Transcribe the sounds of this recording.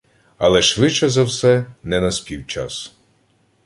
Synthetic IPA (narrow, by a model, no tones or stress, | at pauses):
ɐlˠɛʃʋɪt͡ʃɛzɐwsɛnɛnɐsʲpʲiwt͡ʃa̰s